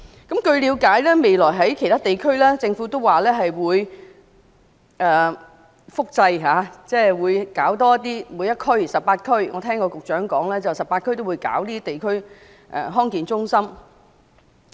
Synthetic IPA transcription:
kɐ˨˥mkɵ˧ɥliː˨˧˥wkaː˨˥jlɛː˥me˨jlɔː˨˩jɦɐ˨˥jkʰjt̪ʰaː˥t̪e˨˩jkʰɵ˥ɥlɛː˥t͡sɪ˧ŋfu˨˥t̪o˥waː˨lɛː˥ɦɐ˨jwuː˨˧j | ʔɛː˨ | fʊ˥k̚t͡sɐ˧jɦaː˨˧t͡sɛː˥˩wuː˨˧jkaː˨˥wt̪̬ɔː˥ɐ˥t̪̚iː˥muː˨˧˥jːɐ˥t̚kʰɵ˥ɥsɐ˨pːaː˧t̚kʰɵ˥ɥŋɔ̰ː˨˧t̪ʰɛː˥ŋkɔː˧kʊ˨k̚t͡ʃœː˨˥ŋkɔː˨˥ŋlɛː˥t͡sɐ˨wsɐ˨pːaː˧t̚kʰɥt̪o˥wuː˨˧jka̰ː˨˥wliː˥t̪e˨˩jkʰɵ˥ɥ | ʔɛ̰ː˨˩ɦɔː˥ŋkiː˨nt͡sʊ˥ŋsɐ˥m

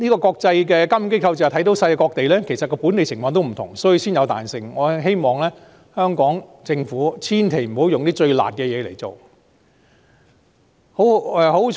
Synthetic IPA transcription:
niː˥kɔː˧kɔː˧k̚t͡sɐ˧jkɛː˧kɐ˥m˨˧ke˥kʰɐ˧wt͡sɛ˨˩˨t̪ʰjt̪o˨˥wsɐ˧jkɛ˧kɔː˧k̚t̪e˨jlɛː˥kʰe˨˩jsɐ˨t̚kɔː˧pu˨˥ne˨jsʰɪ˨˩ŋfɔː˧ŋt̪o˥m̩ʰ˨˩ʊ˨˩ŋsɔː˨˥ji˧siː˥njɐ˨˧wt̪a̰ː˨nsɪ˨˧ŋŋɔː˨˧ɦe˥jmɔː˨ŋlɛː˥ | hœː˥ŋkɔː˨˥ŋt͡sɪ˧ŋfuː˨˥t͡sʰiː˥nt̪ʰe˨˩m̩˨˩ho˨˥wjʊ˨ŋt̪iː˥t͡ʃɵ˧ɥla̰ː˨t̚kɛː˧jɛː˨˧le˨˩jt͡so̰˨˩w | ho˨˥wɛː˨˧ho˨˥w

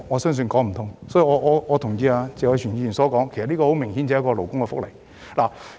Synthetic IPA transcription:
ŋɔː˨˧sœː˥ŋs̬ɵ˧nkɔː˨˥ŋm̩˨˩t̪ʰʊ˨ŋsɔː˨˥iː˨˧ŋɔː˨˧ɔː˨˧ɔː˨˧t̪ʰʊ˨˩ŋjiː˧aː˧t͡sɛː˨˧ɔ˧yː˨˩niː˧i˨˩nsɔː˨˥kɔː˨˥ŋkʰjsɐ˨t̚liː˥kɔ˧ho˨˥wmɪ˨˩ŋhiː˨˥nt͡sɛː˨˧˦ɐ˥kːɔː˧lo˨˩wkʊ˥ŋkɛ˧fʊ˥k̚le˨˩j | laː˨˩

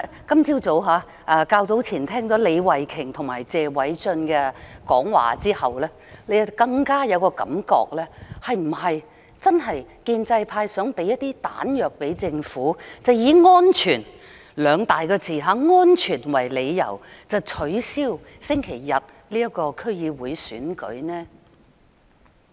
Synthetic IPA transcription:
kɐ˥mt͡sʰiː˥wt͡so˨˥wɦaː˨˧˥ | ʔaː˧kaː˧wt͡so˨˥wt͡sʰiː˨˩nt̪ʰɛː˥ŋt͡sɔː˨˥le˨˧jwɐ˨jkʰɪ˨˩ŋt̪ʰʊ˨˩ŋmaː˨˩jt͡sɛː˨wɐ˨˥jt͡sɵ˧nkɛ˧kɔ̰ː˨˥ŋwa̰ː˨˩t͡siː˥hɐ˨wlɛː˥ | le˨˧jkɐ˧ŋkaː˥jɐ˨˧wkɔː˧kɐ̰˨˥mkɔ̰ː˧k̚lɛː˥hɐ˨jm̩˨˩hɐ˨j | t͡sɐ˥nɦɐ˨jkiː˧nt͡sɐ˧jpʰaː˧jsœː˨˥ŋpe˨˧˥jɐ˥t̚t̪iː˥t̪a̰ː˨˥njœː˨k̚pe˨˥jt͡sɪ˧ŋfuː˨˥t͡sɐ˨wjiː˨˧ŋɔː˥nt͡ʃʰyː˨˩n | lœː˨˧ŋt̪aː˨jkɔː˧t͡sʰiː˨˩ɦaː˨˧ŋɔː˥nt͡ʃʰyː˨˩nwɐ˨˩jle˨˧jjɐ̰˨˩wt͡sɐ˨˧wt͡ʃʰɵ˨˥ɥsiː˥w | sɪ˥ŋkʰe˨˩jːɐ˨t̚ | liː˥jɐ˥kɔː˧kʰɵ˥ɥjiː˨˧wuː˨˧jsyː˨˥nkɵ̰˨˥ɥnɛː˥

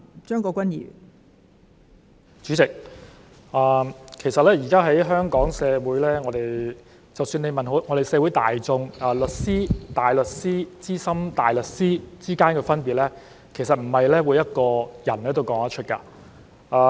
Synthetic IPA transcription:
t͡ʃœː˥ŋkɔː˧kʷɐ˥njḭː˨˩ | t͡ʃyː˨˥t͡sɪ˨k̚ | ʔaː˨kʰe˨˩jsɐ˨t̚lɛː˥jiː˨˩kaː˥ɦɐ˨˥jɦœː˥ŋkɔː˨˥ŋsɛː˨˧wuː˨˥jlɛː˥ŋɔː˨˧ɾe˨j | t͡sɐ˨wsyː˧nle˨˧jmɐ˨nɦo˨˥ŋɔ˨˧ɾe˨jsɛː˧wu˨˥jt̪a̰ː˨jt͡sʊ˧ŋɐː˨˩lɵ˨t̚siː˥t̪aː˨˩jlɵ˨t̚siː˥t͡siː˥sɐ˥mt̪aː˨jlɵ˨t̚siː˥t͡siː˥kaː˥nkɛː˧fɐ˥npiː˨t̚lɛː˥ | kʰe˨˩jsɐ˨t̚m̩˨˩hɐ˨jlɛː˥wuː˨˧jɐ˥t̚kɔː˧jɐ˨˩nlɛː˥˩t̪o˥wkɔː˨˥ŋɐ˥t͡ʃʰɵ˥kaː˧ | ʔaː˧

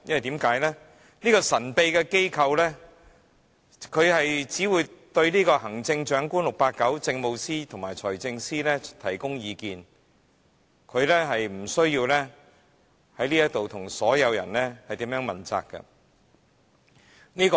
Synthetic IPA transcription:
jɐ̰˥wɐ˨jt̪iː˨˥mkaː˨˥jlɛː˥ | niː˥kɔː˧sɐ˨˩npe˧jkɛ˧ke˥jkʰɐ˧wlɛː˥ | kʰɵ˨˧ɥhɐ˨jt͡siː˨˥wuː˨˧jt̪ɵ˧ɥniː˥kɔː˧hɐ˨˩ŋt͡sɪ˧ŋt͡ʃœː˨˥ŋkuː˥nlʊ˨k̚paː˧t̚kːɐ˨˥wt͡sɪ˧ŋmo˨˧wsiː˥t̪ʰʊ˨˩ŋmaː˨˩jt͡sʰɔː˨˩jt͡sɪ˧ŋsiː˥lɛː˥t̪ʰɐ˨˩jkʊ˥ŋjiː˨˧kiː˧n | kʰɵ˨˧ɥlɛː˥ɦɐ˨jm̩˨˩sɵ˥ɥjiː˧wlɛː˥ | hɐ˨˥jliː˥jɐ˥t̪o˨wt̪ʰʊ˨˩ŋsɔː˨˥jɐ˨˧wjɐ̰˨˩nlɛː˥hɐ˨jt̪i˨˥mjœː˨˥ŋmɐ˨˩nt͡sa̰ː˨kːɐ̰˧ | niː˥kː

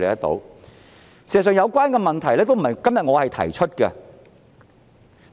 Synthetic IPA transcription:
le˨jtɐ˥t̪o̰˨˥w | si˨˩za˨˩s̬œː˨ŋjɐ˨˧wkʷaː˥nkɛː˧mɐ˨nt̪ʰɐ˨˩jlɛː˥t̪o˥wm̩˨˩ɐ˨kɐ˥mjɐ˨t̚ŋɔː˨˧hɐ˨jt̪ʰɐ̰˨˩jt͡ʃʰɵ˥t̚kɛ˧

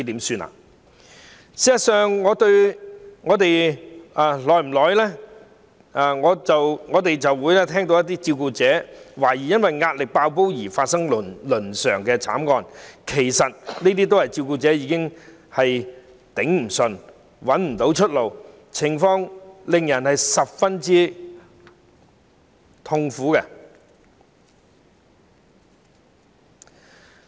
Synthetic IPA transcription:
i˥t̪iː˨˥msyː˧na̰ː˨ | siː˨˧˥jɐ˨sœː˨ŋːɔː˨˧t̪ɵ˧ɥŋɔː˨˧˥t̪e˨jaː˨lɔː˨jm̩˨˩lɔː˨˧jlɛː˥ | ʔa˨˧ŋɔː˨˧t͡sɐ˨wŋɔː˨˧t̪e˨jt͡sɐ˨wwuː˨˧jlɛː˥t̪ʰɛː˥ŋt̪o˧˥jɐ˥t̪̬iː˥t͡siː˧wkuː˧t͡sɛː˨˥waː˨˩jiː˨˩jɐ˥nwɐ˨jŋaː˧t̚lɪ˨k̚paː˧wp̬o˥wjiː˨˩faː˧t̚sɐ˥ŋlnlɵ˨˩nsœ̰ː˨˩ŋkɛː˧t͡sʰa̰ː˨˥mŋɔː˧nkʰe˨˩jsɐ˨t̚neː˥t̪iː˥t̪̬o˥whɐ˨jt͡siː˧wkuː˧t͡sɛː˨˥jiː˨˥kɪ˥ŋ | hɐ˨j | t̪ɪ˨˥ŋm̩˨˩sɵ˨˩n | wɐ˨˥nm̩˨˩t̪o˨˥wt͡ʃʰɵ˥t̚lo˨w | t͡sʰɪ˨˩ŋfɔː˧ŋlɪ˨ŋjɐ˨˩nhɐ˨jsɐ˨p̚fɐ˥nt͡siː˥ | t̪ʰʊ˧ŋfuː˨˥kɛ˧

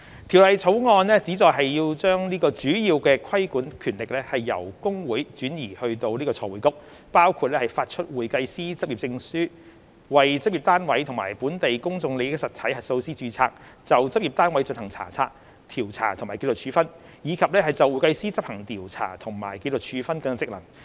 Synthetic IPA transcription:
t̪ʰi˨˩wlɐ˨jt͡sʰo˨˥wŋɔː˧nlɛː˥t͡siː˨˥t͡sɔː˨jɦɐ˨jjiː˧wt͡ʃœː˥ŋniː˥kɔː˧t͡ʃyː˨˥jiː˧wkɛː˧kʰɐ˥jkuː˨˥nkʰyː˨˩nlɪ˨k̚lɛː˥hɐ˨jːɐ̰˨˩wkʊ˥ŋwuː˨˥jt͡ʃyː˨˥njiː˨˩hɵ˧ɥt̪o˧wliː˥kɔː˧t͡sʰɔː˧wuː˨˩jkʊ˥k̚ | paː˥wkʰuː˨˧t̚lɛː˥hɐ˨jfaː˧t̚t͡ʃʰɵ˥t̚wuː˨jkɐ˧jsiː˥t͡sɐ˥p̚i˨p̚t͡sɪ˧ŋsyː˥ | wɐ˨jt͡sɐ˥p̚ji˨˩t̪aː˥nwɐ˨˥jt̪ʰʊ˨˩maː˨˩jpuː˨˥nt̪e˨jkʊ˥ŋt͡sʊ˧ŋle˨˧jk̚sɐ˨t̪ʰɐ˨˥jhɐ˨t̚so˧wsiː˥t͡ʃyː˧t͡sʰaː˧k̚ | t͡sɐ˨wt͡sɐ˥p̚i˨p̚t̪aː˥nwɐ˨˥jt͡ʃɵ˧nhɐ˨˩ŋt͡sʰa̰ː˨˩t͡sʰa̰ː˧k̚ | t̪ʰiː˨˩wt͡sʰa̰ː˨˩t̪ʰŋmaː˨˩jke˧to˨wt͡ʃʰyː˨˧fɐ˥n | jiː˨˧kʰɐ˨p̚lɛː˥hɐ˨jt͡sɐ˨wu˨jkɐ˧jsiː˥t͡sɐ˥p̚hɐ˨˩ŋt̪iː˨˩wt͡sʰa̰ː˨˩t̪ʰʊ˨˩ŋmaː˨˩jke˧to˨˩wt͡ʃʰyː˨˧fɐ˥nkɐ˧ŋa˥t͡sɪ˥k̚lɐ̰˨˩ŋ

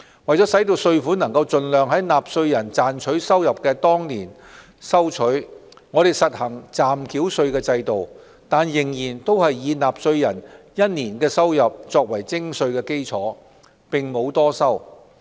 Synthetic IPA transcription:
wɐ˨˩jt͡sɔː˨˥sɐ˨˥jt̪̬o˧wsɵ˧ɥfuː˨˥nɐ˨˩ŋkɐ˧wt͡sɵ˨nlœː˨ŋɦɐ˨˥jnaː˨p̚sɵ˧ɥjɐ˨˩nt͡saː˨nt͡ʃʰɵ˨˥ɥsɐ˥wjɐ˨p̚kɛː˧t̪ɔː˥ŋniː˨˩n | sɐ˥wt͡ʃʰɵ˨˥ɥ | ŋɔː˨˧ɾe˨˩jsɐ˨t̚hɐ˨˩ŋt͡saː˨mkʰiː˨˥wsɵ˧ɥkɛː˧t͡sɐ˧jt̪o˨˩w | t̪aː˨njɪ˨˩ŋjiː˨˩nt̪o˥whɐ˨jːiː˨˧naː˨psɵ˧ɥjɐ˨˩n | jɐ˥t̚niː˨˩nkɛː˧sɐ˥wjɐ˨p̚t͡sɔː˧k̚wɐ˨˩jt͡sɪ˥ŋsɵ˧ɥkɛː˧ke˥jt͡sʰɔ̰ː˨˥ | pɪ˨ŋmo˨˧wt̪ɔː˥sɐ˥w

